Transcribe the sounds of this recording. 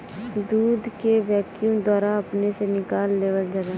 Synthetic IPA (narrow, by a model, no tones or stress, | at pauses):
d̪uːd̪keʋɛːkjũd̪waːɾaɐpnesenɪkaːlːeːʋəld͡ʒaɾaː